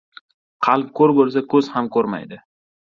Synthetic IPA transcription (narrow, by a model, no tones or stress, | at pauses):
qʰɑlˠp̚kʰɵɾbɵls̬akʰɵz̥hamkʰɵɾma̰jd̪ɪ